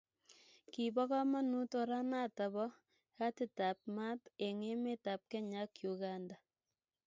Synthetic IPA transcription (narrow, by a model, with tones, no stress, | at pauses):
ki˨bɔ˦ka˦ma˦nu˦to˨ɾa˦na˦˨ta˨βɔ˦ | ka˦tɪ˦ta˨p̚ma˦te˨ŋe˦me˦ta˨p̚kɛ˦ɲa˦kju˨ɣa˦nda˨